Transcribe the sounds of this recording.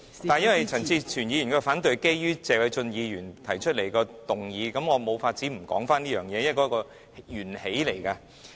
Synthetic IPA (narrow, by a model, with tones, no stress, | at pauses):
aː˨˩njɐ˥nwɐ˨jt͡sʰɐ˨˩nt͡siː˧t͡ʃʰyː˨˩nji˨˧jnkɔː˧˥˧faː˨˥nt̪ɵ˨ɥke˥jjyː˥t͡sɛː˨wɐ˨˧jt͡sɵ˧njiː˨˧jyː˨˩nt̪ʰɐ˨˩jt͡ʃʰɵ˥t̚le˨˩jkɔː˧t̪ʊ˨˩ŋjiː˨˧kɐ˨˥mŋɔː˨˧mo˨˧wfaː˧t̚t͡siː˨˥m̩˨˩kɔː˨˥ŋfaː˥nliː˥jœː˨ŋjɛː˨˧jɐ˥˩kɔː˨˥kɔː˧ | jyː˨˩nhe˨˥jle˨˩jka˧